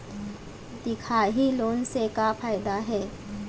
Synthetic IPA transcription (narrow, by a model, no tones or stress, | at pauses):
t̪ikʰaɦiːlonsekafajd̪aɦe